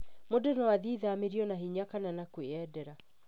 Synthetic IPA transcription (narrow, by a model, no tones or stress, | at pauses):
modenawaðiðameɾiɔnaɦiɲakananakweɛdɛɾa